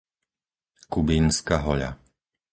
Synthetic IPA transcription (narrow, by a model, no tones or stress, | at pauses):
kubinskaɦɔʎa̰